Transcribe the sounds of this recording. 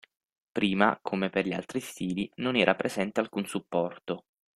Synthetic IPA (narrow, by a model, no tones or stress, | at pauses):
pɾiːma̰kʰomeperʎia̰lt̪ɾist̪iːlinonɛːɾʔapɾʔezɛnt̪ealkunsupːɔrt̪o